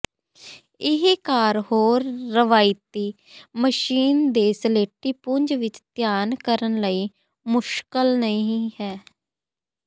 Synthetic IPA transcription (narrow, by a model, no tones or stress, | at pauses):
ɪɦikaːɾhoːɾːəʋaːɪt̪iː | məʃiːnd̪eːsəleːʈːiːpʊɲd͡ʒʋɪt͡ʃt̪jaːnkəɾənləiː | mʊʃkəlnəĩĩːhɛː